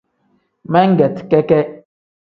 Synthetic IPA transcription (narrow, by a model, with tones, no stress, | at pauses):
mɛ˦ŋ̩˦ɡɛ˨tkɛ˦kɛ˦